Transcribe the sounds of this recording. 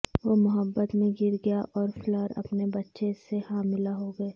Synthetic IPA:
ʋomʊɦəbːət̪mẽɡɪɾɡɐjaʔʔɔːɾflɔːɾɐ̰pnebɐtːʃesehaːmɪlaɦoɡɐeː

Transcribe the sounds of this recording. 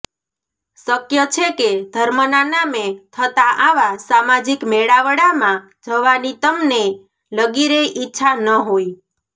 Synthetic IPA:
səkjət͡ʃʰeked̪ʱəɾmənanamet̪ʰət̪aʔaʋasamad͡ʒikmeɽaʋəɽamã | d͡ʒəʋanit̪əmne | ləɡiɾeʔitːʃʰanəɦoi

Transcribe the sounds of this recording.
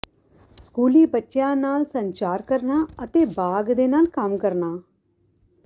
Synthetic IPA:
skuːliːbətːʃjãːnaːlsəɲt͡ʃaːɾkəɾnaːət̪eːbaːɡd̪eːnaːlkəmkəɾnaː

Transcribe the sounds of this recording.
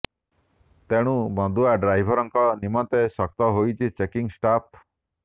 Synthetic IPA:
t̪eɽ̃ũbɔ̃nd̪uaɖɾajbʱɔɾɔŋkɔnimɔt̪esɔkt̪ɔɦojt͡ʃʰit͡ʃekiŋsʈap̚

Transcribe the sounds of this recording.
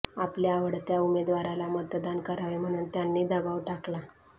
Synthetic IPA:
apljaːʋəɽt̪jaumed̪ʋaɾalamət̪d̪ankəɾaʋem̤əɽ̃uːnt̪janːiːd̪əbaʋʈakla

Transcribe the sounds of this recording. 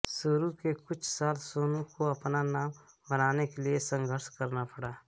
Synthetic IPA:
sʊɾukekʊt͡ʃʰsaːlsoːnũkoɐpnanaːm | bənaːnekeliesə̃ŋɡʱəɾʃkɐɾnapɐɽaː

